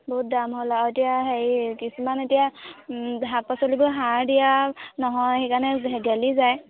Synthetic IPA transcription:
bɔɦut̚damɦolatijaɦeɹkisumanetija | ɦapasolibɔɦaɹdijanɔɦɔjxekanɛeɡalizaj

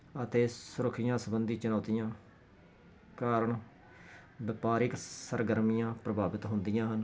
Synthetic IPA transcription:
ət̪eːsʊɾʊkʰːɪjãːsəbənd̪iːt͡ʃʊnaːt̪ɪjãː | kaːɾəɳ | bɪpaːɾɪksəɾɡəɾmijãːpɾəbaːbɪt̪ɦʊnd̪ɪjãːɦən

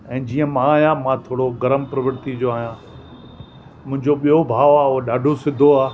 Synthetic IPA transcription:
ɛ̃ːd͡ʑiːə̃mãːɦjãmãt̪ʰoːɽoɡɐɾəmpɾɐʋəɾt̪id͡ʑoaːɦijã | mʊ̃ɦɪ̃ɲd͡ʑoɓijobʱaːʋaːoɗaːɖʱosɪd̪ʱoaː

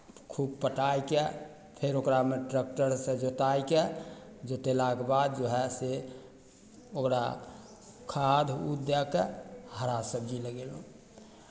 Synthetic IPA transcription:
kʰub̚pəʈajke | pʰeɾokɾameʈɾək̚ʈəɾsẽd͡ʒot̪ajked͡ʒot̪elakebad̪̚d͡ʒoɦɛse | okɾa̰ | kʰad̪ʱutd̪ɛkeɦəɾasəb̚d͡ʒiləɡelõ

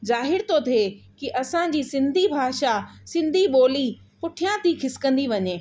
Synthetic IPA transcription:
zaːɦɪɾt̪ʰot̪ʰekiʔɐsãd͡ʑiːsɪ̃nd̪ʱibʱaːʃasɪ̃nd̪ʱiɓoːli | pʊʈʰijãt̪ʰikʰɪsɪ̥kə̃nd̪iʋɐɲeː

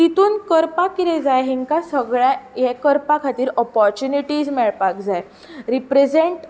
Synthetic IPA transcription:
t̪it̪uːnkəɾpakiɾed͡zajɦiŋkasəɡɭãjekəɾpakʰat̪iːɾɔpɔɾt͡ɕjuniʈiːd͡zmɛɭpak̚d͡zaj | ɾipɾed͡zeɳʈ

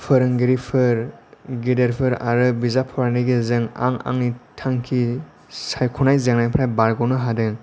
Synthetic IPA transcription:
pʰɯɾɯŋɡiɾipʰɯɾɡideɾpʰɯɾa̰ɾɯbizapʰɔɾniɡezɯŋa̰ŋa̰ŋnitʰaŋkʰi | sajkʰunajzaŋnajpʰɾajbaɾɡɔnɯɦadɯŋ

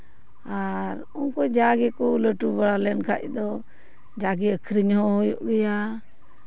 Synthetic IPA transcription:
aɾ | unkɔd͡ʒaɡɛkɔləʈubaɽalɛnkʰa̰ʔd̪ɔ | d͡ʒaɡɛəkʰɾiɲɦɔ̃ɦɔjɔ̰ʔɡɛja

